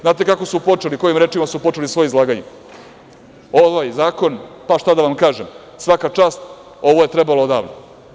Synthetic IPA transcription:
znaːt̪e̞kako̞supo̞t͡ʂeliko̞jimɾeːt͡ʂimasupo̞t͡ʃelisʋo̞joizlˠaːɡaɲe | oʋajzaːko̞npaʃt̪ad̪aʋamkaːʒem | sʋakat͡ʂaːst̪ | o̞ʋoje̞t̪ɾebalod̪a̰ːʋno̰

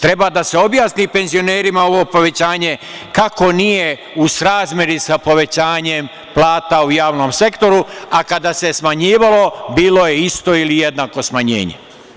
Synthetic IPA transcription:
t̪ɾe̞bad̪ase̞o̞bjaːsnipe̞nzio̞neːɾimao̞ʋo̞po̞ʋe̞t͡ɕaːɲe̞kako̞nije | usɾaːzmʲje̞ɾisapo̞ʋe̞t͡ɕaːɲem | plˠaːt̪aujaːʋno̞mse̞kt̪o̞ɾuakad̪ase̞smaɲiːʋalo̞biːlˠo̞jeist̪o̞ilijed̪naːko̞smaɲḛːɲḛ

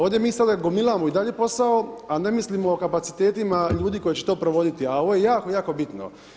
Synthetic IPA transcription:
oːd̪jemiːsad̪aɡomilˠamoid̪aʎe̞po̞saoane̞mislimoːkapat̪si̥t̪eːt̪imaʎuːd̪ikojet͡ɕet̪o̞ːpɾoʋo̞d̪it̪iao̞ʋojejaːkojaːko̞bit̪no̰

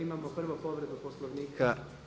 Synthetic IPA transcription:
imamopr̩ʋopo̞ʋɾe̞d̪uposlˠoʋniːkʰa

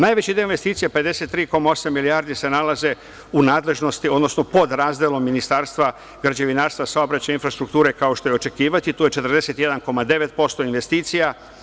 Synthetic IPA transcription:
naːjʋet͡ɕid̪eoinʋe̞st̪iːt̪sijepe̞d̪e̞se̞t̪ːɾiːko̞mao̞samːilijaɾd̪ise̞nalaze̞ | unaːd̪le̞ʒno̞st̪io̞d̪nosno̞po̞d̪ɾaːzd̪elˠo̞mːinist̪aːɾst̪ʋa | ɡɾad͡ʑeʋinaːɾst̪vʋasaobɾat͡ɕajinfɾast̪ɾukt̪uːɾe̞kao̞ʃt̪o̞jeo̞t͡ʃe̞kiːʋat̪it̪uːjet͡ʃe̞t̪ɾd̪e̞se̞t̪je̞d̪anko̞mad̪e̞ʋe̞t̪̚po̞st̪o̞inʋe̞st̪iːt̪sija

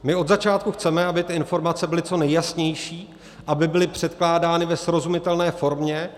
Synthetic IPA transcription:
mɪo̞d̪zat͡ʃaːt̪kuxt͡sɛmɛabɪt̪ɪɪnfo̞ɾmat͡sɛbɪlɪt͡so̞nɛjjasɲɛjʃiː | ʔabɪbɪlɪpr̝̥ɛt̪klaːdaːnɪvɛsɾo̞zumɪt̪ɛlnɛːfo̞ɾmɲɛ

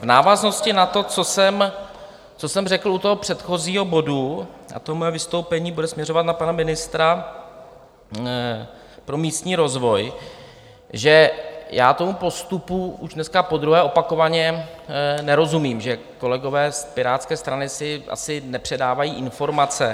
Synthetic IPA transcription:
vnaːvazno̞scɪnat̪o̞t͡so̞sɛm | t͡so̞sɛmrɛkl̩ut̪oɦopr̥ɛt̪xo̞ziːɦo̞bo̞dua̰t̪oɦomojɛvɪst̪o̞wpɛɲiːbudɛsmɲɛɾo̞vat̪napanamɪnɪst̪ɾa | pɾo̞miːst̪ɲiːɾo̞zvo̞j | ʒɛjaːt̪omupo̞st̪upuʔuʒdnɛskapo̞d̪ɾuɦɛːʔo̞pako̞vaɲɛ | nɛɾo̞zumiːmʒɛ | ko̞lɛɡo̞vɛːspɪɾaːt̪skɛːst̪ɾanɪsɪʔa̰sɪnɛpr̝̥ɛdaːvajiːʔɪnfo̞ɾmat͡sɛ

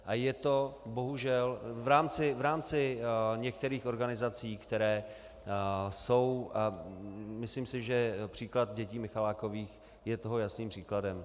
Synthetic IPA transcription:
ʔajɛt̪o̞bo̞ɦuʒɛlvɾaːmt͡sɪvɾaːmt͡sɪɲɛkt̪ɛɾiːxʔo̞ɾɡanɪzat͡siːkt̪ɛɾɛː | so̞wʔa | mɪsliːmsɪʒɛpr̝̥iːklat̪̚ɟɛciːmɪxalaːko̞viːx | jɛt̪o̞ɦo̞jasniːmpr̥iːkladɛm

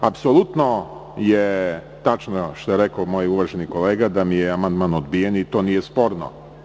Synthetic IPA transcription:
apsolˠut̪no | je | t̪at͡ʃnoʃt̪ojeɾekomoːjuʋaʒenikoleːɡad̪amijeamand̪manod̪bijenit̪o̞ːnijespo̞ɾno̰

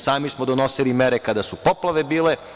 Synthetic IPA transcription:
saːmismod̪ono̞silimeɾekad̪asupoplaʋe̞biːle̞

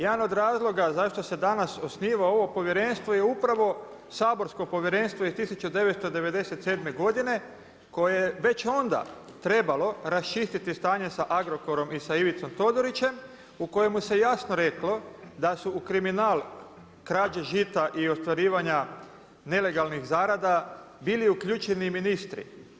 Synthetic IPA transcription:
jed̪ano̞d̪ɾaːzlˠo̞ɡazaʃt̪o̞se̞d̪anaso̞sniːʋao̞ʋo̞po̞ʋjeɾe̞nst̪ʋo̞je̞upɾaʋo̞ | saːbo̞ɾsko̞po̞ʋjeɾe̞nst̪ʋo̞ist̪isut͡ʃud̪e̞ʋest̪od̪e̞ʋe̞d̪e̞set̪seːd̪me̞ɡo̞d̪ine̞ | ko̞jejeʋe̞t͡ʃo̞nd̪a̰ | t̪ɾe̞balo̞ɾast͡ʃist̪it̪ist̪aːɲe̞saʔaɡɾo̞ko̞ɾo̞misaiʋit̪so̞mt̪o̞d̪oɾit͡ʃe̞m | uko̞je̞muse̞jasnoɾe̞klo̞d̪asuːkɾiminaːl | kɾaːd͡ʒaʒit̪aʔio̞st̪ʋaɾiːʋaɲa | ne̞le̞ɡalˠnixzaːɾad̪abiːliukʎuːt͡ʃeniminist̪ɾḭ

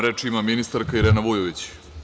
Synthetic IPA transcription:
ɾet͡ʂimaminist̪aɾkaiɾeːnaʋujoʋit͡ɕ

